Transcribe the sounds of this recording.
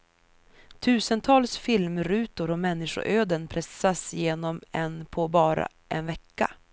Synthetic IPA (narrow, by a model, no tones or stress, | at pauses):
t̪ʰʉ̟ːsənt̪ʰɑːlsfɪlmɾʉ̟ːt̪ʊɾɔmɛnːɪʂʊ̰ɾʔøːd̪ənpʰɾɛsːasjeːnɔmɛnpʰɔbɑːɾa̰ | ʔɛnvɛkːa̰